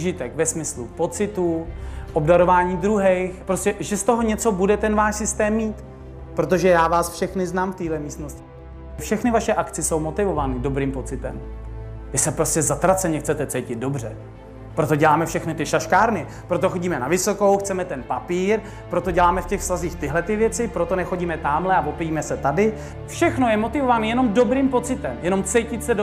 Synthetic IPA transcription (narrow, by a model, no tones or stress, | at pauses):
ʒɪt̪ɛkvɛsmɪslupo̞t͡sɪt̪uʔobdaɾo̞vaːɲiːd̪ɾuɦɛjxpɾoscɛʒɛst̪o̞ɦo̞ɲɛt͡sobudɛt̪ɛnvaːʃsɪst̪ɛːmːiːt̪ | pɾo̞t̪̬o̞ʒɛjaːvaːsfʃɛxnɪznaːmft̪iːɦlɛmiːst̪noscɪ | fʃɛxnɪvaʃɛʔakt͡sɪso̞wmo̞t̪ɪvo̞vanɪdo̞bɾiːmpo̞t͡sɪt̪ɛ̰mvɪsɛpɾoscɛzat̪ɾat͡sɛɲɛxt͡sɛt̪ɛt͡sɛjcɪd̪̚do̞br̝ɛ | pɾo̞t̪o̞ɟɛlaːmɛfʃɛxnɪt̪ɪʃaʃkaːɾnɪ | pɾo̞t̪oxoɟiːmɛnavɪso̞ko̞wxt͡sɛmɛt̪ɛnpapiːɾ | pɾo̞t̪o̞ɟɛlaːmɛfcɛxsaziːxt̪ɪɦlɛt̪ɪvjɛt͡sɪpɾo̞t̪onɛxo̞ɟiːmɛt̪aːmlɛavo̞pɛjiːmɛsɛt̪adɪ | fʃɛxno̞jɛmo̞t̪ɪvovanijɛno̞mdo̞bɾiːmpo̞t͡sɪt̪ɛmjɛno̞mt͡sɛjcɪt̪sɛ